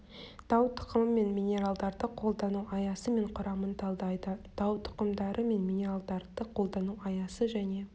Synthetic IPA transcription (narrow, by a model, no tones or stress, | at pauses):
d̪̥ɑwt̪ʰʊ̥qəməme̞nmʲinʲe̞ɾalˠd̪ɑɾd̪əqʰo̞lˠd̪ɑnuʔɑjɑsəme̞ɴqʰʊɾɑmənt̪ʰɑlˠd̪ɑjd̪əd̪̥ɑwt̪ʰʊ̥qəmd̪ɑɾʔəme̞nmʲinʲe̞ɾalˠd̪ɑɾd̪əqʰo̞lˠd̪ɑnuɑjɑsəʒæne̞